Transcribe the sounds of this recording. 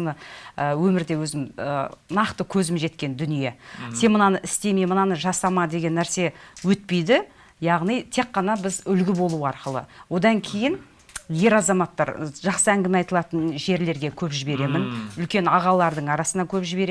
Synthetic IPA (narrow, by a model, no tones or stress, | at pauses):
nəəwɵmɪɾd̪e̞wɵzɪmə̰nɑqt̪əkʲʰɵzɪmʒe̞t̪kʲe̞nd̪ʏnije̞se̞nmənɑnəʔɪst̪e̞memənɑnəʒɑsɑmɑd̪e̞ɡʲe̞nːæɾse̞wɵt̪̚pe̞jd̪ɪ | jɑʁnijt̪ʰe̞kqːɑnɑbɪzʏlɡʲɪbo̞lˠuwəɑɾqəlˠə̰wo̞d̪ɑŋkʲʰe̞jɪn | je̞ɾɑzɑmɑt̪ːɑ̰ɾʒ̥ɑqsəæŋɡʲɪme̞ɑjt̪əlˠɑt̪ənʒe̞ɾle̞ɾɡʲe̞kʲʰɵpʒɪbe̞ɾe̞mɪnʏlkʲe̞nɑʁɑlˠɑɾd̪əɴɑɾɑsənɑkʲʰɵpʒɪbe̞ɾe